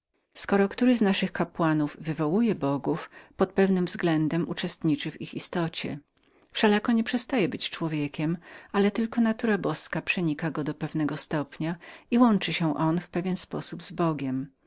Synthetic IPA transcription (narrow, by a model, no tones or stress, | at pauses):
skɔɾɔkt̪uɾɘznaʂɘxkapwanuvːɘvɔwujɛbɔɡufpɔt̪̚pɛvnɘmvzɡlɛnd̪ɛmut͡ʂɛst̪ɲit͡ʂɘvixist̪ɔt͡ɕɛ̰ | fʂɛlakɔɲɛpʂɛst̪ajɛbɘt͡ɕt͡ʂwɔvʲjɛkʲɛmalɛt̪ɘlkɔnat̪uɾabɔskapʂɛɲikaɡɔd̪ɔpɛvnɛɡɔst̪ɔpɲaiwɔnt͡ʂɘɕɛ̃ʔɔnfpɛvʲjɛnspɔ̰subzbɔɡʲɛm